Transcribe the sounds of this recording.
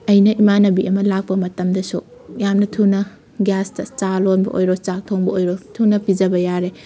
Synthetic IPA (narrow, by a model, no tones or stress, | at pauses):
ɐjnɐʔimanɐbiʔɐmɐlak̚pɐmɐtɐmdɐsu | jamnɐtʰunɐ | ɡastɐt͡ʃalonbɐ̰ʔo̰jɾot͡ʃak̚tʰoŋbɐojɾotʰunɐpid͡ʒɐbɐjaɾe